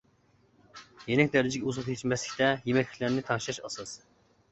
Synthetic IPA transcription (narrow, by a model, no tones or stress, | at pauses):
jenɪk̚ʲd̪æɾd̪ɪd͡ʒikʲɛuzʊχʰet͡ʃʰimɛslɪkʲt̪ɛjemɛkʲlʲɪ̥kʲlæɾnɪt̪ʰɑŋʃɑʃɑ̰sɑs